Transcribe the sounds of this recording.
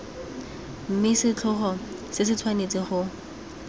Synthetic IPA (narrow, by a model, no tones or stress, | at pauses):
m̩mɪsɪt͡ɬʰʊχɔ | sɪs̬ɪt͡sʰwanet͡sʼɪχʊ